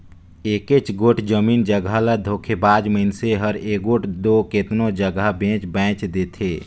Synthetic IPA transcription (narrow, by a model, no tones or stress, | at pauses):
eːket͡ʃɡoʈʰd͡ʒəmiːnd͡ʒəɡʱaləd̪ʱoːkʰebaːd͡ʒməɪnseɦəɾeːkɡoːʈʰd̪oːket̪nõd͡ʒəɡabẽːt͡ʃbɛ̃ːt͡ʃd̪eːt̪ʰeː